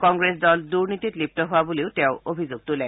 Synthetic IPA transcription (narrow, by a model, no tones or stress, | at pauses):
kɔŋɡɹesdɔlduɹnititlip̚tɔɦʊwabuleʊtɛʊobʱizoɡ̚tulɛ